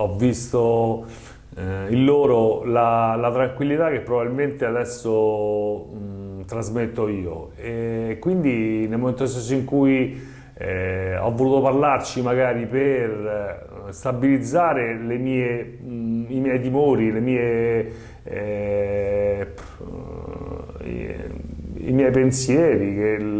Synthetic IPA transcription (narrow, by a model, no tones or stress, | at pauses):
ɔvːist̪o | ilːoːɾolalat̪ɾaŋkwilːit̪ak̟ːepːɾobabilment̪ead̪ɛsːo | t̪ɾazmet̪ːoiːo̰ | ekːwind̪inelmoment̪osɛsoiŋkuj | ɔ̰vːoluːt̪oparlart͡ʃimaɡaːɾiper | st̪abilid̪zːaːɾelemiːe | imjɛjt̪̬imoːɾilemiːe | ḭmjɛjpensjɛːɾik̟e